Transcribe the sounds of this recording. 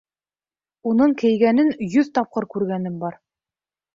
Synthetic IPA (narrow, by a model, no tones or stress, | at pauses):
unɤɴkɘ̆jɡænɘnjɵðt̪ɑp̚qɤɾkʉɾɡænɘmbɑɾ